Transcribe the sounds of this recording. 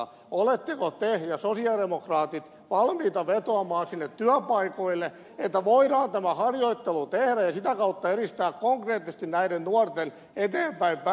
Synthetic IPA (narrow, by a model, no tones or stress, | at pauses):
olet̪ːekot̪ejɑsosiɑdemokrɑːt̪it̪ | ʋɑlmiːt̪ɑʋet̪oɑmɑːnsinːet̪tyæpɑikoilːe | et̪ːæʋoidɑːnt̪æmæhɑrjoit̪ːelut̪ehɾæjjɑsit̪ækɑut̪ːɑeɾist̪æːkkoŋkreːt̪ːisĕ̥st̪innæiɾennuɔrt̪en | et̪eːmpæimp